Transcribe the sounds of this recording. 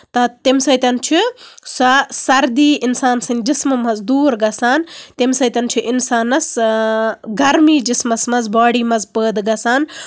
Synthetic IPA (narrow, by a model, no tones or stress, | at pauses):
t̪ɐt̪imsɐjt̪ʲɐnt͡ʃʰisɐsɐɾd̪iːinsaːnsɐnʲd͡ʒismɐmɐzd̪uːɾɡɐsaːnt̪imsɐjt̪ʲɐnt͡ʃʰiʔinsaːnɐs | ɡɐɾmiːd͡ʒismɐsmɐzbaːɽiːmɐzpəːd̪ɡɐsaːn